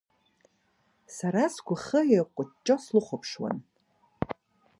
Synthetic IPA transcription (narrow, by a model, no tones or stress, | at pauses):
saɾasɡʷʊχəeqʷʼʊt͡ʃʼːoslʊχʷʊpʰʂwa̰n